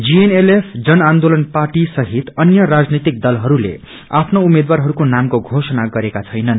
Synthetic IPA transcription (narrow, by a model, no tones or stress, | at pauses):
d͡zienelepʰd͡zʌnand̪olʌnparʈisʌɦit̪ʌnjʌɾad͡znit̪ik̚d̪ʌlɦʌɾulḛ | apʰnoumed̪waɾɦʌɾukonamkoɡʱosʌnaɡʌɾekat͡sʰʌjnʌn